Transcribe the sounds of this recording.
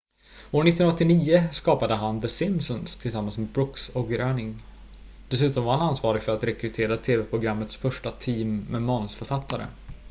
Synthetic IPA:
oːɾɳɪt̪ːnɔt̪ːɪniːəskɑːpad̪əɦand̪əsɪmsɔnst̪ʰɪlsamːansmɛbɾʊksɔɡɾøːnɪŋ | d̪̥ɛsʉ̟ːt̪ɔmvaɾhanansvɑːɾɪɡfœɾat̪ɾɛkɾɵt̪ʰeːɾat̪ʰeːvɛpʰɾʊɡɾamːət̪sfœʂʈat̪ʰiːmːɛmɔnsfœɾfat̪ʰːaɾə̰

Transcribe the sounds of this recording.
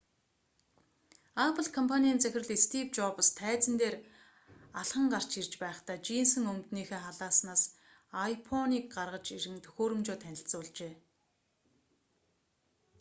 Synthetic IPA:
apʰə̆ɮkʰɔmpʰaniaːnt͡sæxʲɪ̆r̆ɮest̪ʰiwt͡ɕɔpə̆st̪ʰæːt͡sɘ̆nt̪eːr | aɮχə̆ɴɢar̥t͡ɕirt͡ɕpæːχt̪aːt͡ɕiːnsɘ̆ŋɵmt̪niːxeːχaɮaːsnaːs | ajpʰɔniːk̚ɢarʁə̆t͡ɕiɾɘ̆ŋt̪ʰɵ̥xʲoːɾɵ̆mt͡ɕʊːt̪ʰænʲɪ̆ɬt͡sʊːɮt͡ɕeː

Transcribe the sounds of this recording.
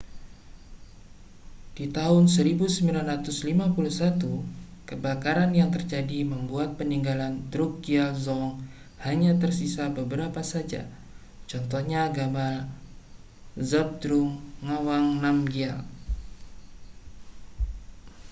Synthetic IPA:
d̥it̪aʊnsəɾibusəmbilanrat̪ʊslimapuluhsat̪ukəbakaɾanjaŋt̪ərd͡ʒadiməmbuat̪̚pəniŋɡaland̪ɾuk̚ɡ̥ialzɔŋ | haɲat̪ərsisabəbəɾapasad͡ʒa̰ | t͡ʃɔnt̪ɔhɲaɡamal | zap̚d̪ɾuŋŋawaŋnamɡial

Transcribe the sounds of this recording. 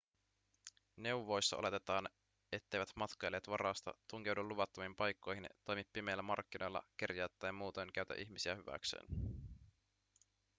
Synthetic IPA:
ne̞wʋːo̞jsːɑ̰ole̞t̪e̞t̪ɑːn | e̞t̪ːe̞jʋæt̪mɑt̪kɑjleːt̪ʋɑɾɑst̪ɑ̰t̪uŋk̟ewdulːuʋɑt̪ːomimpɑjkːo̞jhint̪o̞jmipːime̞jlːæmɑrkːinʔo̞̰jlːɑ̰kerjɑːt̪ːæjmːuːt̪e̞nkæɥt̪æ̰ʔiçmisiæhyʋæ̰ksḛːn

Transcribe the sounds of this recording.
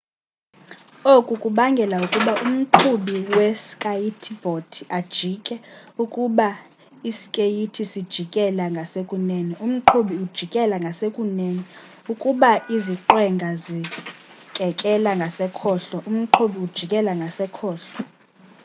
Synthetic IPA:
okʼukʼuɓaŋɡʱɛlaukʼuɓaʔum̩ǃʰuɓiwɛskʼajitʰib̥ʱotʰiʔad̥ʒ̥ʱikʼɛukʼuɓa | isi̥kʼejitʰisid̥ʒ̥ʱikʼɛlaŋɡʱasekʼunɛːnɛʔum̩ǃʰuɓiud̥ʒ̥ʱikʼɛlaŋɡʱasekʼunɛːnɛ | ukʼuɓaiziǃwɛŋɡʱazi | kʼɛkʼɛlaŋɡʱasɛkʰɔːɬɔʔum̩ǃʰuɓiud̥ʒ̥ʱikʼɛlaŋɡʱasɛkʰɔːɬɔ

